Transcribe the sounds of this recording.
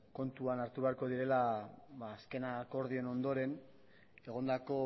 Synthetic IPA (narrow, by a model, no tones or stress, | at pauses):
ko̞nt̪uanaɾt̪uβe̞aɾko̞ðiɾe̞laβaːske̞nako̞ɾð̞iono̞nd̪o̞ɾe̞n | e̞ɣ̞o̞nd̪ako̞